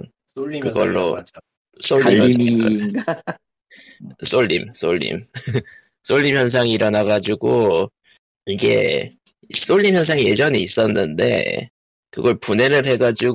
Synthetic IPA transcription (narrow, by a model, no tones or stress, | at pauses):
n | kɯɡʌɭːo̰ | s͈oɭːi | s͈oʎːḭms͈oʎːḭm | s͈oʎːimjʌns̬ʰaŋiːɾʌnaɡad͡ʑuɡo | iɡe̞̰ | s͈oʎːimjʌns̬ʰaŋije̞d͡ʑʌniːs͈ʌnːɯnde̞̰ | kɯɡʌɭpune̞ɾɯɭɦe̞ɡad͡ʑuɡ